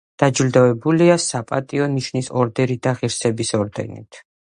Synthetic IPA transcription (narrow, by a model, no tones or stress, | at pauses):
d̪̥ad͡ʒld̪ɔɛbuliasapʼat̪ʼiɔniʃnisɔɾd̪ɛɾid̪aʁiɾsɛbisɔɾd̪ɛ̰nḭt̪ʰ